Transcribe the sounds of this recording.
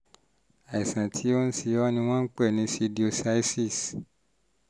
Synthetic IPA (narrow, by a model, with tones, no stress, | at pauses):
a˨i˨sã˨tʰi˨˦o˦n̩˦si˧jɔ˦nĩ˧w̃ɔ̃˦n̩˦k͡pɛ˦˨nĩ˨˧˦si˧di˦o˧sa˦i˦si˦˨s